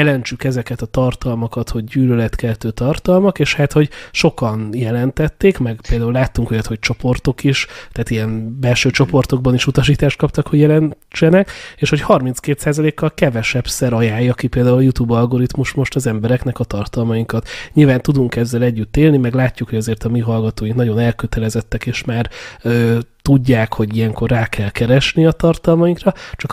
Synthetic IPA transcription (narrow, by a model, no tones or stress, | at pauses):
jɛlɛɲt͡ʃykɛzɛkɛt̪ɒt̪ɒrt̪ɒlmɒkɒt̪ho̞ɟːyːlølɛt̪kɛlt̪øːt̪ɒrt̪ɒlmɒkeːʃhat̪ho̞ɟʃo̞kɒnjɛlɛnt̪ɛt̪ːeːkmɛɡpeːld̪aːulaːt̪ːuŋkojɒt̪ho̞c̚t͡ʃo̞po̞rt̪o̞kiʃt̪aːt̪ijɛnbɛlʃøːt͡ʃo̞po̞rt̪o̞ɡ̚bɒniʃut̪ɒʃ̬iːt̪aːʃt̪̚kɒp̚t̪ɒkhoɟjɛlɛn | t͡ʃɛnɛkeːʃho̞chɒrmint͡skeːt̪saːzɒleːkːɒlkɛvɛʃɛpsɛɾɒjaːjɒkipeːld̪aːuljut̪uːbɒlɡo̞ɾit̪muʃmo̞ʃt̪ɒzɛmbɛɾɛknɛkɒt̪ɒrt̪ɒlmɒjiŋkɒt̪ɲilvaːnt̪ud̪uŋkɛzːɛlɛɟːyt̪ːeːlnimɛɡlaːcːukho̞ɟɒzeːrt̪ɒmiɦɒlɡɒt̪oːiŋknɒɟo̞nɛlkøt̪ɛlɛzɛt̪ːɛkeːʃmaːrøːt̪uɟːaːkho̞ɟijɛŋko̞rːaːkʰɛlkɛɾɛʃniɒt̪ɒrt̪ɒlmɒjiŋkrɒt͡ʃɒk